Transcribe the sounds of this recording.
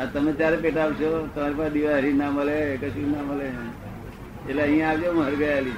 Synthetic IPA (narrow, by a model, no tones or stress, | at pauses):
at̪əmet̪jaɾepeʈaʋt͡ʃʰot̪əmaɾepasd̪iʋaɾinaməlekəʃinaməle | eleəɦĩãːʋd͡ʒomɦəɾɡəjali